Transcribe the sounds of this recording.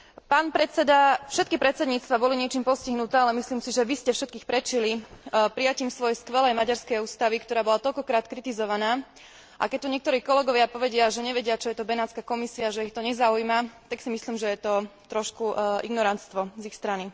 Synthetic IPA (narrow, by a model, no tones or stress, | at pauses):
paːnpɾɛt̪t͡sɛd̪afʃɛt̪kipɾɛt̪t͡sɛd̪ɲiːt͡st̪ʋabɔliɲɪɛt͡ʃiːmpɔsciɦnut̪ɛːalɛmisliːmsiʒɛʋiscɛfʃɛt̪̚kiːxpɾɛt͡ʃilipɾijaciːmsʋɔjɛskʋɛlɛjmaɟaɾskɛjuːst̪aʋikt̪ɔɾaːbɔlat̪ɔʎkɔkɾaːt̪kɾit̪izɔʋanaː | ʔa̰kɛc̚t̪uɲɪɛkt̪ɔɾiːkɔlɛɡɔʋɪapɔʋɛɟɪaʒɛɲɛʋɛɟɪat͡ʃɔjɛt̪ɔbɛnaːt̪t͡skakɔmisiaʒɛixt̪ɔɲɛzaujmat̪aksimisliːmʒɛjɛt̪ɔt̪ɾɔʃkuʔiɡnɔɾant̪st̪ʋɔzixst̪ɾani